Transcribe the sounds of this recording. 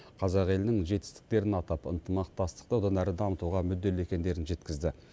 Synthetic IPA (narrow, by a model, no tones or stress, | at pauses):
qʰɑzɑqe̞lɪnɪŋʒe̞t̪ɪ̥st̪ɪ̥k̚t̪e̞ɾɪnɑt̪ɑpə̰nt̪əmɑq̚t̪ɑst̪ə̥qt̪əwod̪ɑnæɾɪd̪ɑmət̪uʁɑmʏd̪ːe̞le̞kʲe̞nd̪e̞ɾɪnʒe̞t̪kʲɪzd̪ɪ